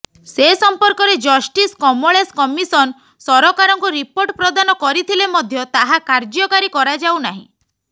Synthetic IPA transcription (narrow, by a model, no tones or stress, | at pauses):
sesɔmpɔɾkɔɾed͡ʒɔsʈiskɔmoɭeskɔmisɔn | sɔɾɔkaɾɔŋkuɾipoɾʈpɾɔd̪anɔkɔɾit̪ʰilemɔd̪ʱjɔt̪aɦakaɾd͡ʒɔkaɾikɔɾad͡ʒawnaɦḭ̃